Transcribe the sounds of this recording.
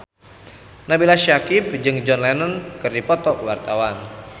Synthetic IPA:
nabilaʃakipd͡ʒɨŋd͡ʒɔnlɛnənkɨrdipɔt̪ɔkəwart̪awan

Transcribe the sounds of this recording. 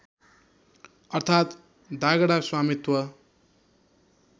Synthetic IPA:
ʌrt̪ʰat̪ | d̪aɡʌɽaswamit̪wʌ

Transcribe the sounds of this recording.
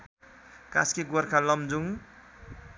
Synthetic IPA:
ka̰skiɡoɾkʰalʌmd͡zuŋ

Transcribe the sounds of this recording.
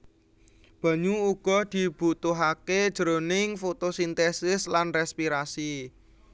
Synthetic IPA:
b̥ä̤ɲuuɡ̥ɔ̤d̪̥i̤b̥ṳt̪ʊɦaked̥ʒ̥əɾonɪŋfot̪osint̪ɛsɪslanrɛspiɾasi

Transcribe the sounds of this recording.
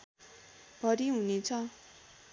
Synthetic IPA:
bʱʌɾiɦunet͡sʰʌ

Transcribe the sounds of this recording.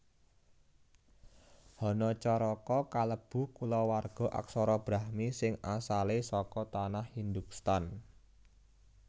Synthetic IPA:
hɔnɔt͡ʃɔɾɔkɔkaləb̥ṳkulɔwarɡ̥ɔ̤ʔa̰ksɔɾɔb̥ɾahmisɪŋasalesɔkɔt̪anahhind̪uk̚st̪an

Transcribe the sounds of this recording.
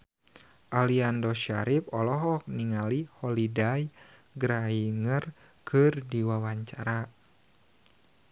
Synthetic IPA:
ʔaliandɔʃaɾip̚ɔlɔɦɔk̚niŋalihɔlidajɡɾaiŋər | kʰɨrdiwawaɲt͡ʃaɾa

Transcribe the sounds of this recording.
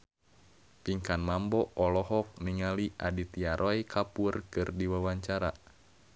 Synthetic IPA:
piŋkanmambɔɔlɔhɔk̚niŋaliʔadit̪iaɾʔɔikʰapurkɨrdiwawaɲt͡ʃaɾa

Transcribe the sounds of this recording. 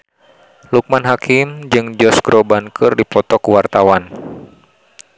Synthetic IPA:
luk̚manɦakʰɪmd͡ʒɨŋd͡ʒɔsɡɾɔbankʰɨrdipɔt̪ɔkuwart̪awan

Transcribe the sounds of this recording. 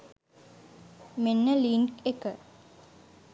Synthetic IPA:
menːəliːnkekə

